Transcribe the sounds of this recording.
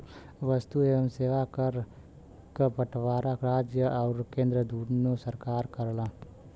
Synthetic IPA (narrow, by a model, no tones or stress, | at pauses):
ʋɐst̪ueːʋəmseːʋakɐɾ | kəpɐʈʰʋaːɾakɾaːd͡ʒjəʔɔːɾkẽːnd̪ɾəd̪uːɾnosɐɾkaːɾkɐɾlãː